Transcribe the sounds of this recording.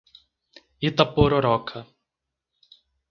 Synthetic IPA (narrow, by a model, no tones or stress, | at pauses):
it̪ɐpoɾoɾɔkʰɐ